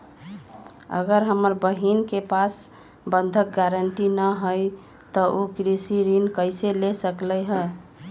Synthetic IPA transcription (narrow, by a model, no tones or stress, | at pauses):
ə̰ɡəɾɦəməɾbəɦinkepas | bənd̪ʱək̚ɡaɾəɳʈinəɦəj | t̪ɔʔokɾisiɾinkəɪselesəkləɦə